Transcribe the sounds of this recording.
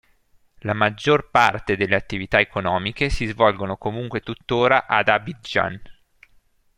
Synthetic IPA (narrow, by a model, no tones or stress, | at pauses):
lamad͡ʒːorpart̪ed̪elːeat̪ːivit̪aekonɔːmikesizvɔlɡonokomuŋkwet̪ut̪ːoːɾaʔad̪abid͡ʒa̰n